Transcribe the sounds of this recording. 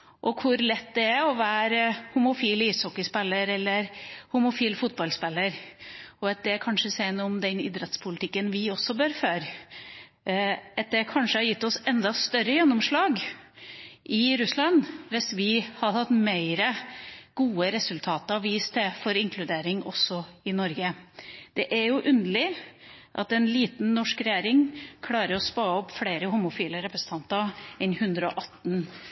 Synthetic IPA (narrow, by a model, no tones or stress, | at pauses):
ʔɔkʰʊɾlɛt̪ːd̪ɛæɔʋæːɾhʊmʊfiːlɪsɔkːəʂpɛlːəɾɛlːəɾhʊmʊfiːlfʊt̪̚bɑlspɛlːəɾɔɑt̪̚d̪ɛkʰɑnʂəsɛːnuɔmd̪ɛnɪ̰ːd̪ɾɛt̪spʰʊlɪt̪ʰɪkːənʋɪɔsːɔbøːɾføːɾ | ɑt̪̚d̪ɛkʰɑnʂəhɑɾjɪt̪ːɔsɛnd̪ɑst̪œɾəjɛnːɔmʂlɑːɡ | ʔɪɾʉslɑnʋɪsʋɪhɑhɑt̪ːmeɪɾəɡ̥uːəɾɛsʉlt̪ʰɑːt̪ɑʋiːst̪ʰɛfɔɾɪŋkʰlʉd̪eːɾɪŋɔsːɔɪnɔɾɡəd̪̥ɛʔæɾjʊʔʉnd̪əlɪʔɑ̰t̪ɛnliːt̪nnɔʂkɾɛjeːɾɪŋkʰlɑːɾəɾɔspɑːɔpːfɽeɪɾəhumʊfiːləɾɛpɾəsə̥t̪ʰɑnt̪əɾɛnhʉnd̪ɾəɔ̰ʔɑt̪n